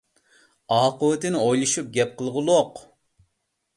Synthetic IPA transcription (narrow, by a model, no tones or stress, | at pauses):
ɑːqəwɪt̪ɪnɪojlˠuʃup̚ɡʲɛp̚qʰəlˠʁʊlˠoq